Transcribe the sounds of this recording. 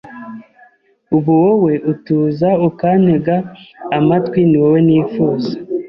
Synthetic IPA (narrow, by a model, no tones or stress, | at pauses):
uβuwowe̞ʔutuːzaukan̥eɡaːmatkwiniwowe̞niːfuːza